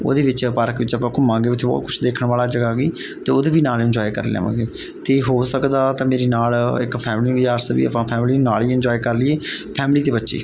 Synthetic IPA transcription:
o̰ːd̪eːʋɪt͡ʃpaːɾəkʋɪt͡ʃəpãːkʊmãːŋɡeːʋɪt̪ʰeːbɔ̰ːt̪̚kʰʊt͡ʃʰd̪eːkʰɳʋaːlaːd͡ʒəɡaːɡiː | t̪eːoːd̪eːbiːnaːlɪnd͡ʒɔːikə̰ɾlḛa̰ːmã̰ːɡeː | t̪eːɦoːsəkd̪aːt̪ãːmeːɾeːnaːlɪ̰kpʰɛːmliːjaːɾsəʋḭːə̰pãːpʰɛːmliːnaːliːɪnɲd͡ʒɔːikəɾlɪeːpʰɛːmliːt̪eːbətːʃḛː

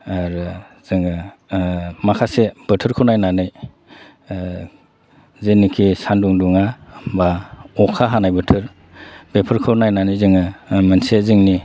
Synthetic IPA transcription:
aɾɯzɯŋɯ | makʰaseb̥ɯtʰɯɾkʰɯwnajnanɯj | zenikʰisanduŋduŋabaɔkʰaɦanajbɯtʰɯɾ | bepʰɯɾkʰɯnajnanɯjzɯŋɯmɯnseziŋni

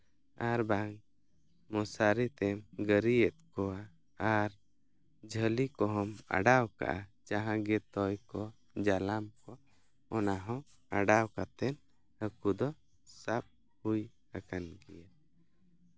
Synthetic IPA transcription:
aɾbaŋ | mɔsaɾit̪ɛmɡəɾiɛt̪̚kɔaː | ɾ | d͡ʒʱəlikɔɦɔma̰ɖawka̰ʔat͡ʃaɦãɡɛt̪ɔjkɔ | d͡ʒalamkɔ | ɔnaɦɔ̃ | aɖawkat̪ɛn | əkud̪ɔ | sap̚ | huj | kakanɡɛja

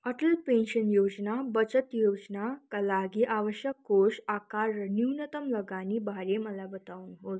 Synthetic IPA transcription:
əʈəlpẽnɕənjod͡znabət͡sət̪jod͡znakalaɡiʔaʋəɕjəkːoʂakaɾəniwnət̪əmləɡaniːbaɾeməlabət̪auːnɦot̪

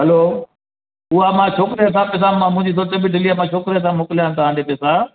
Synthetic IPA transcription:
ɦɐloː | ʊɦamãt͡ʃʰoːkɾs̬ãːpɛs̬ããmʊ̃ɦɪ̃ɲd͡ʑiːsoːɾt̪ebiɖʱɪliamãːt͡ʃʰoːkɾes̬ãmoːkɪlɪjãːnt̪ɐãːd̪eːpeːsa

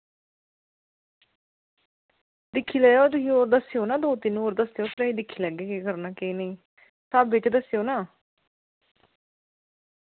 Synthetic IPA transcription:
d̪ɪkʰːiːlɛjoːt̪ʊɦiːoːɾd̪əsejoːnaːd̪oːt̪ɪnoːɾd̪əsejoːpʰɪɾəːiːd̪ɪkʰːiːləɡeːkeːkəɾnaːkeneĩː | saːbeːʈd̪əsjoːnaː

